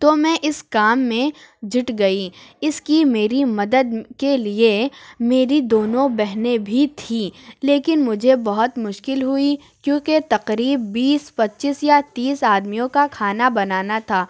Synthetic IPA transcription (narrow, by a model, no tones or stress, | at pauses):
t̪omɛ̃ʔɪskaːmːẽd͡ʒɪʈɡɐiɪskimeːɾimɐd̪əd̪keliemeːɾid̪oːnõbɛɦnebʱit̪ʰiːleːkɪnmʊd͡ʒʱebɐɦʊt̪mʊʃkɪlɦʊi | kjõːket̪ɐqɾiːbːiːspɐtːʃisjat̪iːsaːd̪mijõkakʰaːnabɐnaːnat̪ʰaː